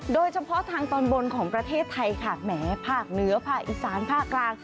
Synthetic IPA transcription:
doː˧jt͡ɕʰa˧pʰɔ˦˥t̪ʰaː˧ŋt̪ɔː˧nbo˧nkʰɔː˩˦ŋpɾa˧t̪ʰeː˥˩t̪ʰːa˧jkʰaː˨˩t̪̚mɛː˩˦pʰaː˥˩k̚nɯ˦˥ɐpʰaː˥˩k̚ʔiː˨˩saː˩˦npʰaː˥˩kːlaː˧ŋ

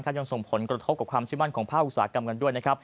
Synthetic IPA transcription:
kʰa˦˥˩ja˧ŋso˨˩ŋpʰo˩˦nkɾa˧t̪ʰo˦˥p̚kːa˨˩kʰwaː˧mt͡ɕʰiː˥˩ma˥˩nkʰɔː˩˦ŋpʰaː˥˩ʔu˨˩saː˩˦˥ka˧mka˧ndu˥˩əjna˦˥kʰɾp

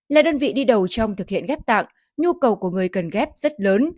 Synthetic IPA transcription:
laː˧˨˩ɗəː˧nvḭ˧˨ɗi˧ɗə˨˩wt͡ɕɔ˧wŋ͡mt̪ʰɨ˨˩k̚hḭ˧˨ənŋɣɛ˦˥p̚t̪a̰ː˧˨ŋ | ɲu˧kə˨˩wku˧˩əŋɨ˨˩əjkə˨˩nɣɛ˦˥p̚zə˦˥t̚ləː˨˦n

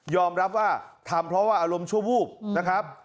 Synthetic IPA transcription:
jɔː˧mɾa˦˥p̚waː˥˩t̪ʰaː˨˦mpʰɾɔ˦˥waː˥˩ʔaː˧ɾo˧mt͡ɕʰu˥˩əbuː˥˩k̚na˦˥kʰɾa˦˥p̚

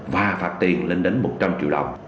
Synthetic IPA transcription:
vaː˨˩faː˨˩t̚t̪i˨˩əŋle˧nɗe˨˦nmo˨˩t̚t͡ɕa˧mt͡ɕḭ˧˨wɗə̰˨˩wŋ͡m

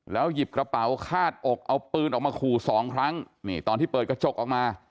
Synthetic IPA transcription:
lɛː˦˥wji˨˩p̚kɾa˧pa˩˦wkʰaː˥˩t̪̚ʔo˨˩k̚ʔa˧wpɯː˧nʔɔː˨˩k̚maː˧kʰuː˨˩sɔː˩˦ŋkʰɾa˦˥ŋ | ni˥˩t̪ɔː˧nt̪ʰiː˥˩pɤː˨˩ka˥˩t͡ɕʰo˦˩k̚ʔɔː˨˩k̚maː˧

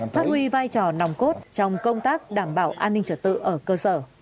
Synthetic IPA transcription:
faː˦˥t̚hwi˧vaː˧jt͡ɕɔ˧˩na˨˩wŋ͡mko˦˥t̚t͡ɕɔ˧wŋ͡mkə˧wŋ͡mt̪aː˦˥k̚ɗaː˧˩mɓaː˧˩wʔaː˧nːï˧ŋ̟t͡ɕə˨˧˩t̚t̪ɨ̰˧˨ʔəː˧˩kəː˧səː˧˩

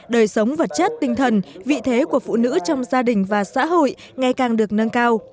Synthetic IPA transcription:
ɗəː˨˩jsə˨˦wŋ͡mvə˨˩t̚t͡ɕə˦˥t̚t̪ï˧ŋ̟t̪ʰə˨˩nvḭ˧˨t̪ʰe˨˦ku˧˩əfṵ˧˨nɨ̰˧˥t͡ɕɔ˧wŋ͡mzaː˧ɗï˨˩ŋ̟vaː˨˩sa̰ː˧˥ɦo̰˧˨j | ŋa˧jkaː˨˩ŋɗɨ˨˩ək̚nə˧nkaː˧w

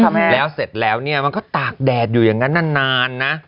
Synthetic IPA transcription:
mlɛː˦˥wse˨˩t̪̚lɛː˦˥wni˥˩ɐma˧nkɔː˥˩t̪aː˨˩k̚dɛː˨˩t̪̚juː˨˩jaː˨˩ŋːa˦˥nːaː˧˥˩nːaː˧nːa˦˥ʔ

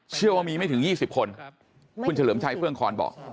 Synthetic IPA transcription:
t͡ɕʰɯ˥˩əwaː˥˩miː˧ma˥˩jt̪ʰɯ˩˦jiː˥˩si˨˩p̚kʰo˧n | kʰu˧nt͡ɕʰa˧lɤː˩˦mt͡ɕʰa˧jpʰɯ˥˩əŋkʰɔː˧nbɔ̰ː˨˩k̚

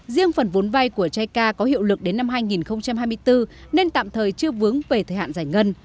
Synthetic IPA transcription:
zi˧əŋfə˨˩nvo˨˦nva˧jku˧˩ət͡ɕaː˧jkaː˧kɔ˨˦hḭ˧˨əwlɨ˨˩k̚ɗe˨˦nːa˧mɦaː˧jŋi˨˩nxə˧wŋ͡mt͡ɕa˧mhaː˧jmɨ˧əjt̪ɨ˧ne˧nt̪a̰ː˧˨mt̪ʰəː˨˩jt͡ɕɨ˧əvɨ˨˦ŋve˨˩t̪ʰəː˨˩ha̰ː˧˨nzaː˧˩jŋə˧n

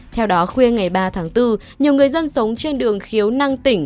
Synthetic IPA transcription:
t̪ʰɛ˧wɗɔ˨˦xwi˧əŋa˨˩jɓaː˧t̪ʰaː˨˦ŋt̪ɨ˧ | ɲi˨˩əwŋɨ˨˩əjzə˧nsə˨˦wŋ͡mt͡ɕe˧nɗɨ˨˩əŋxi˨˦əwna˧ŋt̪ï˧˩ŋ̟

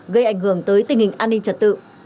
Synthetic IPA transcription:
ɣə˧jʔa˧˩jŋ̟ɦɨ˧˩əŋt̪əː˨˦jt̪ï˨˩ŋ̟hï˨˩ŋ̟ʔaː˧nːi˧ŋt͡ɕə˨˩t̚t̪ɨ̰˧˨

